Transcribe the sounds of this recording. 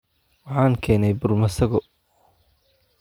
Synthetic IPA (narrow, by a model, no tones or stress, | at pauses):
wɑħɑːŋkʰɛːnɛjbʊrmɐsɐɣɔ